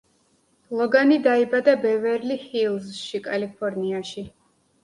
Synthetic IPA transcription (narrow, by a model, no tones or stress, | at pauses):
lˠɔɡanid̪aibad̪abɛvɛɾlihilˠzʃikʼalipʰɔɾniaʃi